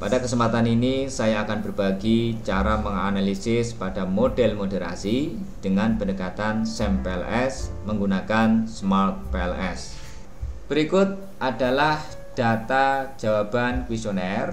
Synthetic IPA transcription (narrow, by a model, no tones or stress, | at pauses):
padakəsəmpat̪aninisajaːkanbərb̥aɡit͡ʃaɾaməŋa̰nalisɪspad̥amodɛlmodeɾa̰si | d̥əŋanbənəkat̪ansɛmpɛɛlɛsməŋɡunakansmart̪̚pɛlɛs | b̥əɾikʊt̪̚ | ʔad̥a̤lah | d̥at̪ḁd͡ʒ̥awab̥ankwisonɛr